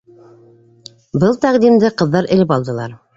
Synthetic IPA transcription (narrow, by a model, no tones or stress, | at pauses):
bɤlˠt̪æqd̪imd̪ɘqɤ̆ðːɑɾʔɘ̆lɘp̬ɑlˠd̪ɤ̆lˠɑɾ